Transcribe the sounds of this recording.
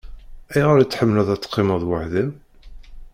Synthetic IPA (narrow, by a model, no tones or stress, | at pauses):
æjʁəɾit͡sːħəmːlæðˤæt͡sːqːɪməðˤwəħðəm